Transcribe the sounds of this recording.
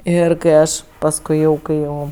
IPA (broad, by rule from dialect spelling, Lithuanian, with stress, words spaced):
ˈɪr kɐɪ ˈɐʃ pɐsˈkʊɪ jɛʊ kɐɪ ˈjɛʊ